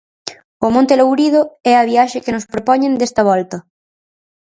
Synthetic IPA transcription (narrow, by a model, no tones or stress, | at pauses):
omõnt̪elowɾið̞oɛɐβ̞iaʃekenospɾopɔɲẽnd̪est̪ɐβ̞ɔlt̪ɐ